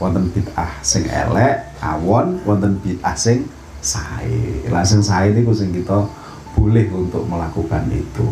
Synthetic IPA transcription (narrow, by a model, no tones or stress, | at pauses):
wɔnt̪ənb̥i̤t̪ahsɪŋʔɛ̰lɛʔ | a̰wɔnwʔɔnt̪ənb̥i̤t̪̚ʔahsɪŋ | saḛla̰sɪŋsainikusɪŋkit̪ɔ | b̥ulɪhunt̪ʊʔməlakukanḭt̪u